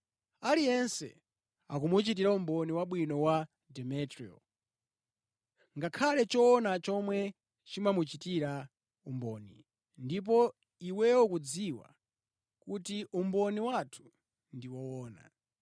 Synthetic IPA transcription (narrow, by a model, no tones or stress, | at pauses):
alijɛnsɛ̰ | a̰kumut͡ʃit̬iɾaumbɔniwaɓwinɔwa | dɛmɛtɾiɔ̰ | ŋɡakʰalɛt͡ʃɔːnat͡ʃɔmwɛ | t͡ʃimamut͡ʃitiɾa | umbɔːnḭ | ndip̬ɔ | iwɛukud͡ziwa̰ | kutiʔumbɔniwatʰu̥ | ndiwɔwɔːna̰